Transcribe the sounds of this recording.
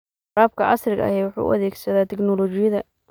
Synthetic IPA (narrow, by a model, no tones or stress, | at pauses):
raːb̚kʰɐʔɐsrɪɣɐ̰ɐ̰hɛjwʊħṵːʔʊ̰ʔɐðɛːɡsɐðaːt̪ʰɛknɔlɔt͡ʃɪjɐðɐ